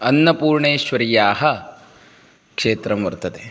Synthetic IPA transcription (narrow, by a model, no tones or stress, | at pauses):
ɐnːɐpuːɾɳeːʃʋɐɾijaːɦɐ | kʂeːt̪ɾɐmʋɐɾt̪ɐd̪e